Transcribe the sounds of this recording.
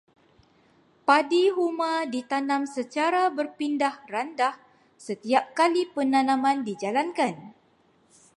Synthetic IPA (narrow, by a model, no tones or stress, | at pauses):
padiɦumãdit̪anãmsət͡ʃaɾabərpindahrandah | sət̪iap̚kalipənãnãmãndid͡ʒalankan